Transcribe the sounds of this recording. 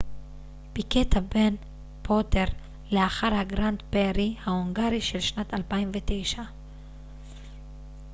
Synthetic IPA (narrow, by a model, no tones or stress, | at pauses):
b̥iketʰaben | pʰoteʁ | leaχaʁhaɡʁant̪beʁihaoŋɡaʁiʃelʃnatalpaimvet̪ejʃa